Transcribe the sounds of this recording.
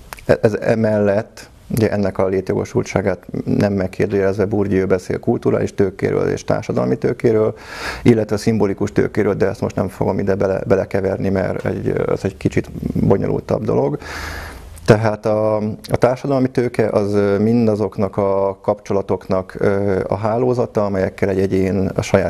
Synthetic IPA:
ɛɛzɛmɛlːɛt̪ː | uɟɛʔɛnːɛkɒleːt̪jo̞ɡo̞̰ʃult̪ʃaːɡaːt̪nʔɛmːɛkʰːeːrd̪øːjɛlɛzʋɛburɟiøːbɛsḛːlkult̪uɾa̰ːliʃt̪øːkḛːɾø̰ːlḛːʃt̪a̰ːrʃɒd̪ɒ̰lmit̪øːkeːɾøːlilːɛt̪ʋɛsimbolikuʃt̪ø̰ːkeːɾøːld̪ɛɛst̪mo̞ʃt̪nɛmfo̞ɡo̞mid̪ɛbɛlɛ̰bɛlɛkɛvɛrnimɛ̰ɾɛ̰ɟɒ̰zɛɟkit͡ʃit̪bo̞ɲolʔṵlt̪ɒ̰b̚d̪o̞̰lo̞ɡ | t̪ɛɦaːt̪ɒɒt̪aːrʃɒd̪ɒlmit̪øːkɛʔɒzmind̪ɒzo̞knɒkɒkɒpt͡ʃo̞lɒt̪o̞knɒkøɒ̰ɦaːloːzɒt̪ɒɒmɛjɛkːɛlɛɟɛɟeːnɒʃɒjaː

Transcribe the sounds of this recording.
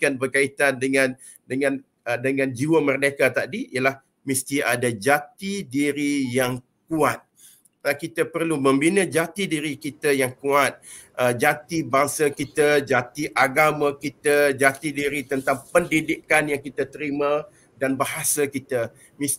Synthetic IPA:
kanbərkait̪andəŋãn | dəŋãn | dəŋãnd͡ʒiwəmərdakat̪adiiəlah | mist̪iadad͡ʒat̪idiɾijaŋ | kuat̪̚ | əkit̪əpərluməmbinəd͡ʒat̪idiɾikit̪əjaŋkuat̪̚ | əd͡ʒat̪ibaŋsakit̪əd͡ʒat̪iʔaɡamãkit̪əd͡ʒat̪idiɾit̪ənt̪aŋpəndidikanjaŋkit̪ət̪əɾimã | danbaɦasakit̪ə | mis

